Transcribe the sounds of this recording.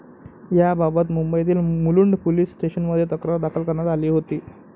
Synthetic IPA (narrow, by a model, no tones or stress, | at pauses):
jababət̪mumbəjt̪̬iːlmuluɳɖpoliːsːʈeɕənməd̪ʱjet̪əkɾəɾd̪akʰəlkəɾɳat̪aliːɦot̪iː